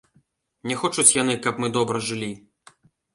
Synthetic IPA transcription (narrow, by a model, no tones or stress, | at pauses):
nʲɛxɔt͡ʂut͡sʲjanɨkɐpmɨd̪ɔbɾɐʐɨlʲi